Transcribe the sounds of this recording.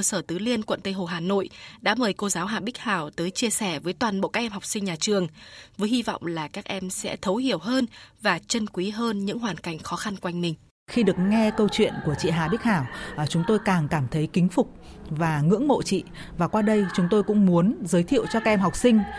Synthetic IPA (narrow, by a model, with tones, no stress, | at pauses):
ə˧səː˧˩t̪ɨ˨˦li˧ənkwə̰˧˨nt̪ə˧jɦo˨˩ɦaː˨˩no̰˧˨jɗa̰ː˧˥məː˨˩jko˧zaː˨˦wɦa̰ː˧˩ɓi˦˥k̚haː˧˨˩wt̪əː˨˦jt͡ɕi˧əsɛ˧˩vəː˨˦jt̪waː˨˩nɓo̰˧˨kaː˦˥k̚ʔɛ˧mɦa˨˩k͡p̚sï˧ŋɲaː˨˩t͡ɕɨ˨˩əŋvəː˨˦jhi˧vɔ̰˧˨wŋ͡mlaː˨˩kaː˦˥k̚ʔɛ˧msɛ̰˧˥t̪ʰə˨˦whi˧˩əwɦəː˧nvaː˨˩t͡ɕə˧nkwi˨˦ɦəː˧nɲɨ̰˧˥ŋwaː˨˩nka˧˩jŋ̟xɔ˨˦xa˧nkjŋ̟mï˧˩ŋ̟ | xi˧ɗɨ˨˩ək̚ŋɛ˧kə˧wt͡ɕwḭ˧˨ənku˧˩ət͡ɕḭ˧˨ɦaː˨˩ɓi˦˥k̟̚haː˧˩wt͡ɕʊ˨˦ŋ͡mt̪o˧jkaː˨˩ŋkaː˧˩mt̪ʰə˨˦jkï˨˦ŋ̟fʊ˨˩k͡p̚ | vaː˨˩ŋɨ̰˧˥əŋmo̰˧˨t͡ɕḭ˧˨vaː˨˩kwaː˧ɗə˧jt͡ɕʊ˨˦ŋ͡mt̪o˧jkʊ̰˧˥ŋ͡mmu˨˦ənzəː˨˦jt̪ʰḭ˧˨əwt͡ɕɔ˧kaː˦˥ʔɛ˧mɦa˨˩wk͡p̚sï˧ŋ̟